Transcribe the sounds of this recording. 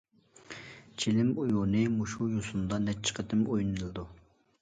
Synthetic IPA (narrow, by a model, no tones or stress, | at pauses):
t͡ʃʰilɪmujunɨmuʃujosund̪ɑnɛt͡ʃʰːə̥qʰət̪ɪmojnɨɨlˠɨd̪u